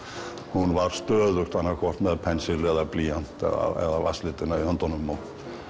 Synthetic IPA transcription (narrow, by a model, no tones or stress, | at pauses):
hunvaɾ̥st̪œːðʏxt̪anːakʰɔr̥t̪mɛðpʰɛnsɪlɛðapliːjan̥t̪ɛ̰a̰ɛ̰ðava̰slɪt̪ɪnaihœnt̪ɔnʏmːɔ